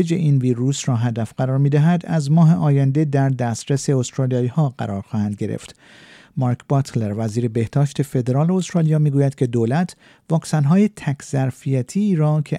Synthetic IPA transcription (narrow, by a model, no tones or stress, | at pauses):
ed͡ʒeʔiːnviːɾuːsɾɒːɦæd̪æfɢæɾɒːɾmiːd̪æɦæd̪æzmɒːɦe̞ʔɒːjænd̪e̞d̪æɾd̪æst̪ɾese̞ost̪ɾɑːlijɒːiːhɒːɢæ̰ɾʔɒːɾxɒːhænd̪̚ɡe̞ɾḛft̪ | mɒːɾkʰbɒt̪ʰleɾvæziːɾe̞be̞hd̪ɒːʃt̪e̞fe̞d̪e̞ɾɒːleost̪ɾɑːlijɒːmiːɡuːjæd̪kʰʲe̞d̪oːlæt̪ʰ | vɒːksænɦɒːje̞t̪ʰækʰz̥æɾfijæt̪ʰiːɾɒːcʰe